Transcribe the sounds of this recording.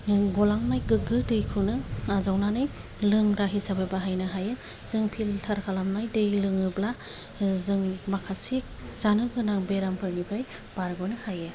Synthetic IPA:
ɡɔlaŋnajɡɯɡɯdɯjkʰɯnɯazawnanɯj | lɯŋɾaɦisabebaɦajnɯɦajɯ | z̥ɯŋpʰiltʰaɾkʰalamnajdɯjlɯŋɯbla | zɯŋmakʰasik̚z̥anɯɡɯnaŋbeɾampʰɯɾnibɾaj | b̥aɾɡɔnɯhajɯ

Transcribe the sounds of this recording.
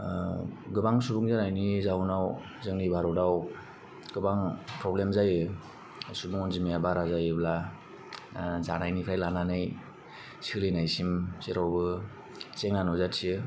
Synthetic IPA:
ɡɯbaŋsubuŋzanajnizawnaw | zɯŋnibaɾɔdaw | ɡ̥ɯbaŋpʰɾɔblemzajɯ | subuŋɔnzimijabaɾazajɯbla | zanajnipʰɾajlananɯj | silinajsimseɾawbɯ | seŋnanɔzatsiɯ

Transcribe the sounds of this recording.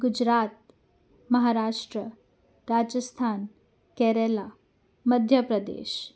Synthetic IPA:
ɡud͡ʑɾat̪̚ | məɦaɾaʂʈɾə | ɾad͡ʒəst̪ʰan | kɛɾela | məd̪ʱjəpɾəd̪ḛʃ

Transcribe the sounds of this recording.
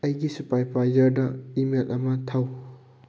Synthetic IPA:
ɐjɡisupajpʰajzɐɾdɐimelʔɐmɐtʰaw

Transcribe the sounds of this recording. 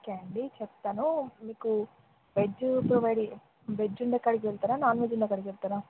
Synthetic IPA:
keɐɳɖit͡ʃep̚t̪ːaːnumiːku | bed͡ʒupɾoʋajɖi | bed͡ʒːuɳɖekːɐɽiɡʋeɭt̪aːnanaːnʋed͡ʒuɳɖekːɐɽiɡep̚t̪ana

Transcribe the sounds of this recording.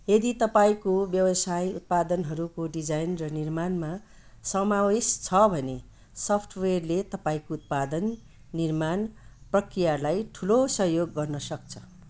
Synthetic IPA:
jed̪it̪ʌpaĩkobjʌbʌsajut̪̚pad̪ʌnɦʌɾukoɖid͡zajnrʌnirmanma | sʌmawest͡sʰʌbʱʌne | sʌpʰʈʰwerlet̪ʌpaĩkout̪̚pad̪ʌnː | irmanprʌkrijalajʈʰulosʌɦjoɡːʌrnʌsʌk̚t͡sʰʌ

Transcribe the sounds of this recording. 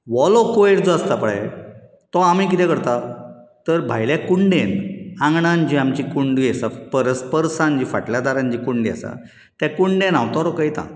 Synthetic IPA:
ʋɔlɔkoeɽd͡zɔast̪apəɭɛ | t̪ɔamik̬it̪ɛ̃kəɾt̪at̪əɾbʱajljakuɳɖẽnãŋɡɳand͡ʑiamt͡ɕikuɳɖiesapəɾəspəɾsãnd͡ʑifa̰ʈljad̪aɾãɲd͡ʑikuɳɖia̰sa̰ | t̪jakuɳɖẽnawt̪ɔɾɔkəjt̪ã̰

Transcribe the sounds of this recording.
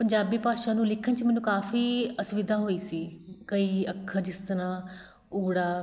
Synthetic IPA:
pəɲd͡ʒaːbiːpaːʃãːnũːlɪkʰənt͡ʃmɛːnũːkaːfiːəsʊʋɪd̪ʱaːɦoːiːsiːkəiːəkʰːəɾd͡ʒɪst̪əɾãː | uːɽaː

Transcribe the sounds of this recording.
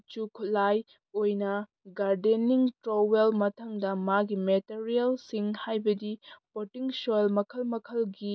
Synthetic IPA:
t͡ʃukʰulaj | ojnɐ | ɡaɾdeniŋtɾowelmɐtʰɐŋdɐmaɡimeteɾijelsiŋhajbɐdipotiŋsojlmɐkʰɐlmɐkʰɐlɡi

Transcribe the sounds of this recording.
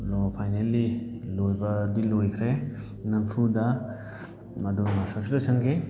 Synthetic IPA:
lopʰajnelːilojbɐdilojkʰɾe | nɐnpʰudɐ | ɐdumasɐsitusɐnɡe

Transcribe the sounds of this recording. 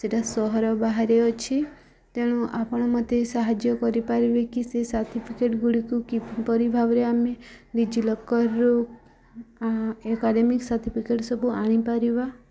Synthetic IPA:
seʈasɔɦɔɾɔbaɦaɾeɔt͡ʃʰi | t̪eɽ̃ũʔapɔɽ̃ɔmɔt̪esaɦad͡ʒjɔkɔɾipaɾiʋekisesat̪ʰipʰikeʈɡuɽikukipɔɾibʱaʋɾeamedid͡ʒilɔkːɔɾːo | aekaɖemiksat̪ʰipʰikeʈsɔbʱuʔaɽ̃ipaɾiʋa

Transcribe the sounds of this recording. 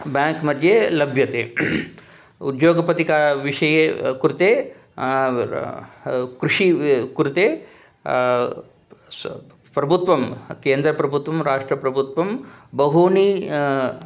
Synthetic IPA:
bjaːŋkmɐd̪ʱjelɐbʱjɐt̪eː | ṵd̪joːɡɐpɐt̪ikaːɾʋiʂɐjekɾut̪eː | kɾuʂikuɾut̪eː | pɾɐbʱut̪ʋɐmkeːnd̪ɾɐpɾɐbʱut̪ʋɐmɾaːʂʈɾɐpɾɐbʱut̪ʋɐmbɐɦuːni

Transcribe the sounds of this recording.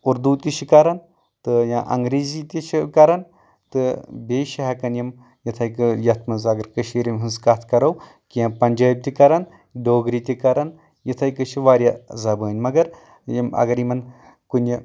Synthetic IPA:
uɾd̪uːt̪ʲiʃikɐɾɐn | t̪ɨjãːʔɐ̰ŋɡɾiːzit̪ʲiʃʰikɐɾɐn | t̪ɨbeːʃiɦɐkɐnjim | jɐt̪ʰɐjkɨjɐt̪ʰmɐnzɐɡɐɾkɨʃʰiɾʲimɦɨnskɐt̪ʰkɐɾɐw | kijãːpɐnʲd͡ʒaːb̚t̪ʲikɐɾɐn | ɖoːɡɾit̪ʲikɐɾɐn | jit̪ʰɐjkɨʃʰiʋaːɾʲjazɐbəːnʲmɐɡɐɾ | jimɐ̰ɡɐɾjimɐn | kunʲi

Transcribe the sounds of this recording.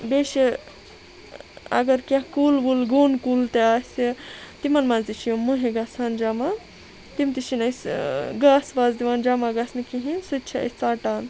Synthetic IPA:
beːʃi | ɐ̰ɡɐɾkʲãkuːlbulɡoːnkult̪eaːsit̪imɐnmãːzd̪it͡ʃʰijomːuɦeɡaːsaːnd͡ʒaːma | t̪imt̪iʃinɐsɡaːsʋaːzd̪iʋaːnd͡ʒaːmaɡasnikiɦinsɨt̚t͡ʃʰɐɐ̰st͡saːʈaːn

